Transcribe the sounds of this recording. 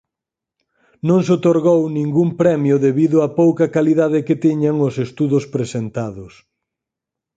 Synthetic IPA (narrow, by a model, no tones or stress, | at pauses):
nõŋsot̪oɾɣownĩŋɡumpɾɛmjʊðeβiðʊapowkɐkaliðaðɪket̪iɲaŋʊsest̪uðʊspɾesent̪aðʊs